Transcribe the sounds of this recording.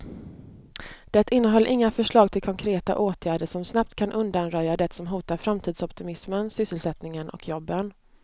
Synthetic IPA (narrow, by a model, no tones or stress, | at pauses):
d̪̥ɛt̪ːɪnːəɦɔlːʔɪŋːafœʂɭɑːɡ̚t̪ʰɪlkʰɔŋkʰɾeːt̪a̰ʔoːt̪ʰjæːɖəʂɔmsnap̚t̪kʰanʔɵnd̪anɾœjːad̪ɛt̪sɔmɦuːt̪aɾfɾamt̪ʰiːd̪sɔpt̪ɪmɪsmənsʏsːəlsɛt̪nɪŋənʔɔ̰kʰjɔbːən